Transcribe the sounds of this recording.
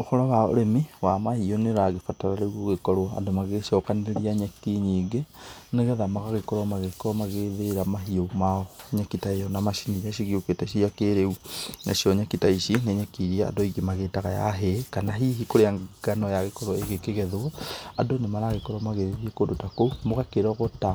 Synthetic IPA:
oxɔɾɔwao̰ɾemiwamahioneɾaɣefataɾaɾeɣwoɣekɔɾwɔa̰ndomaɣeʃɔkaneɾiaɲɛkiɲiːɡeneɣɛðamaɣaɣekɔɾwɔmaɣekɔɔmaɣeðeɾamaɦiomaɔɲakitaejɔnamaʃinijaʃiɣioketaiʃ̬ijakeɾeuna̰ʃiɔɲakitaiʃineɲɛkiɾiaa̰dɔiɡimaɣetaɣaja̰ɦekanaɦiɦikoɾeaŋɡ̥anɔjaɣekɔɾwɔeɣekeɣɛðwɔadonemaɾaɣekɔɾwamaɣeðeðiekodotakomoɣakeɾɔɣɔta

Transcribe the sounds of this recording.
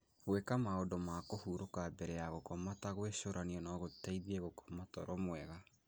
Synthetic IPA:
ɣwekamaodomakohuɾokabɛɾɛaɣokɔmataɣweʃoɾaniɔnɔɣotaiðiɛɣokʰɔ̥matɔɾɔmwɛɣa

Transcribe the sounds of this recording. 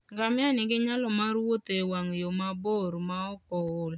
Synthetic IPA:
ŋɡamɪanɪɡɪɲalɔmarwot̪ewaŋjomaboɾmaɔpɔl

